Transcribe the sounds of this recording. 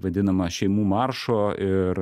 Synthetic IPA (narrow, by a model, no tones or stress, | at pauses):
ʋɐd̪ʲɪnɐmɐʃʲɛɪmuːmɑɾʃoːɪɾ